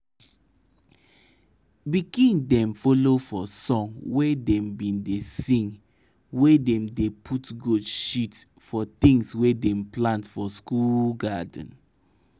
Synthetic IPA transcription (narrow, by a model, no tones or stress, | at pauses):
bikĩndɛ̃mfolofɔsɔ̃ŋwedɛ̃mbĩndesĩŋ | wedɛ̃mdepʰutɡudʃit | fɔt̪ĩŋswedɛ̃mplãntfɔskulɡadə̃n̩